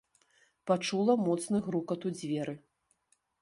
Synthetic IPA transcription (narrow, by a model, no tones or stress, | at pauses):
pat͡ʂulˠɐmɔt̪snɨɣɾukɐt̪ud͡zʲvʲɛɾɨ